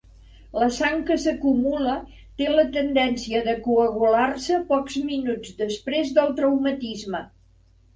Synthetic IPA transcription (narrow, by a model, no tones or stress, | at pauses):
ləsaŋkəsəkumulə | t̪elət̪ənd̪ɛnsiəðəkuəɣularsəpɔkzminud͡zd̪əspɾezðəlˠt̪ɾəwmət̪izmə